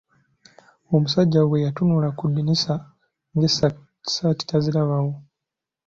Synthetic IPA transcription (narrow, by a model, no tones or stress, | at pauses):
omusaɟːawejatunulakudinisa | ŋɡes | sati̥tazilaβawo